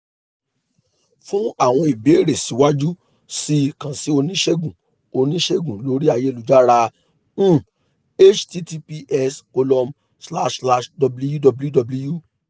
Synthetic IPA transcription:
fũ˦a˦˨w̃ɔ̃˧i˨be˨˦ɾe˨si˨˦wa˦d͡ʒu˦ | si˦˧kã˨si˨˦o˧nĩ˦ʃe˦ɡũ˨ | o˧nĩ˦ʃe˦ɡũ˨lo˨˦ɾi˦a˧je˦˧lu˨˦d͡ʒa˦ɾã˧˦˨ | e˦t͡ʃti˦ti˧pi˧ʔɛ˧sko˧lɔ˧m | sla˦ʃla˧ʃdɔ˧blu˦ju˦dɔ˧bu˦dɔ˧blu˧ju˦

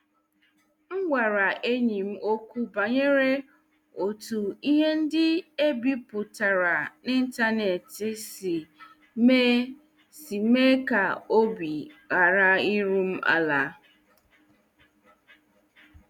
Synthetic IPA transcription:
ŋ̩˦ɡʷa˨ɾa˨ʔe˦ɲi˨m̩˦ʔo˦kʷu˦ba˨ɲe˦ɾe˦ | o˨tu˨i˦ɦe˦n̩˦dɪ˦e˦bi˦pʊ˨ta˨ɾa˨nɪ˦n̩˦ta˦ne˨tɪ˦si˨ | me˦ | si˨me˦ka˨o˦bi˨ɣa˨ɾa˦i˦ɾu˦m̩˦ʔa̰˦˨la˨˦

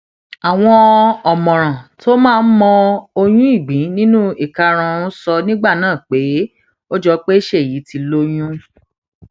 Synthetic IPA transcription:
a˨w̃ɔ̃˧ɔ˨mɔ̃˨ɾ̃ã˨to˦mãː˦˧n̩˦mɔ̃˧o˧j̃ũ˦i˦˨ɡ͡bĩ˨˦nĩ˦nũ˦i˦˨ka˧ɾ̃ã˧ũ˦sɔ˧nĩ˦ɡ͡ba˦˨nãː˦˨k͡pe˨˦ | o˦d͡ʒɔ˧˦k͡pe˦i˦ʃe˦˨ji˨˦ti˧lo˦j̃ũ˦

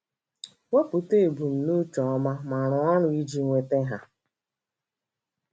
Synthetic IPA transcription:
we˦pʊ˨te˦˨bu˨m̩˨nu˦t͡ʃɔ˨ɔ˦ma˦ma˨ɾʊ˨ɔ˦ɾʊ˦i˦d͡ʒi˦ŋʷe˦te˦ɦa˦

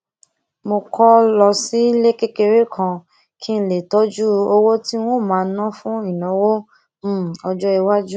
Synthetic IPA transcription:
mo˧kɔ˦lɔ˧si˦le˦ke˦ke˧ɾe˦kʰã˧ | kʰi˦n̩˦˧le˨tɔ˦d͡ʒu˦o˧wo˦ti˦w̃õ˦˨mãː˨˦˧nã˦fũ˦i˦˨nɔ̃˨˦wõ˦˨ | ɔ˧d͡ʒɔ˦i˧wa˦d͡ʒu˦

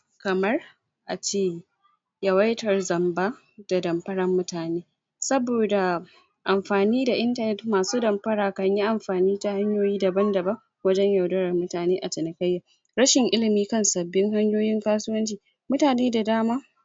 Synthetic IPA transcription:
kɐ˨mɐ˦r | ʔa˨t͡ʃeː˦˨ | jɐ˨wa˦jtɐ˨rzɐ˨mbaː˦ | d̥a˨dɐ˨mpɐ˦ɽɐ˦mːʊ˦taː˨neː˦ | sɐ˦boː˨da˨ | ʔa˨mɸaː˨niː˦da˨ʔɪ˦ntɐ˦nɛ˦tmaː˨suː˦dɐ˨mpɐ˦ɽaː˨kɐ˨ɲji˦ʔa˨mɸaː˨niː˦ta˦ha˦ɲjoː˦jiː˦dɐ˨bɐ˦ndɐ˨bɐ˦ | wɐ˦d͡ʒɛ˦ɲjɐ˨wdɐ˦ɽɐ˨rmʊ˦taː˨neː˦ʔa˨t͡ʃɪ˨nɐ˨kɐ˦jːa˨ | ɾɐ˦ʃɪ˨ŋʔɪ˦lɪ˨miː˦kɐ˦˨nsɐ˨bːɪ˦ŋɦa˦ɲjoː˦jɪ˦ŋkaː˦sʊ˦wɐ˦nt͡ʃiː˨ | mʊ˦taː˨neː˦da˨daː˦maː˦

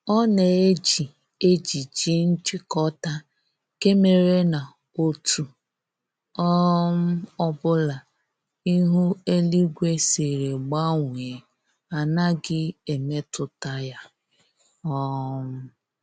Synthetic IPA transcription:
ɔ˦ne˨e˦d͡ʒi˨ | e˦d͡ʒi˨d͡ʒi˦n̩˦t͡ʃɪ˦kɔ˦ta˦ | ke˦me˨ɾe˦na˨ | o˦tu˨ | ɔ˦m̩˦ɔ˦bʊ˦la˨ | i˦ɦu˦e˦li˦ɡʷe˦se˨ɾe˨ɡ͡ba˦ŋʷ˨e˨ | a˨na˦ɡɪ˦e˨me˦tʊ˨ta˦ja˦ | ɔ˦m̩˦

